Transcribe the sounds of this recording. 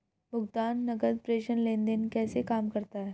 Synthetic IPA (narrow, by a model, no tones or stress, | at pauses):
bʱʊɡt̪anːəɡəd̪̚pɾeɕənlẽnd̪enkɛːsekamkəɾt̪aɦɛ